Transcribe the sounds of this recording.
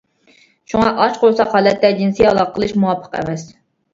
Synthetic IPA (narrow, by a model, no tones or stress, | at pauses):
ʃuŋɑʔɑt͡ʃqʰolˠsɑχhɑːlɛt̪ːɛd͡ʒinsijɑlˠɑqʰəlˠɨʃmuwɑpʰːə̥qɛ̰mɛs